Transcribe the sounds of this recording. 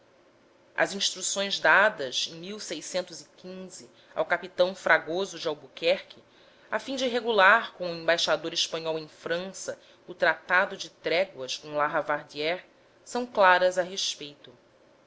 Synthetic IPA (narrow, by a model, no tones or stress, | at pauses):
ɐ̰zĩʃt̪ɾusõj̃zd̪ad̪ɐzẽj̃miwsejsẽnt̪ʊzikʲĩzɪ | a̰wkapit̪ɐ̃w̃fɾaɡozʊd͡ʒɪawbukɛɾkʰɪ | afĩd͡ʒɪɦeɡulaɾkõʊẽbajʃad̪oɾɪʃpɐ̃ɲɔwẽj̃fɾɐ̃sɐ | ʊt̪ɾat̪ad̪ʊd͡ʒɪt̪ɾɛɡwɐskõlaɦɐvaɾd͡ʒiɛɾ | sɐ̃w̃klaɾɐzaɦeʃpejt̪ʊ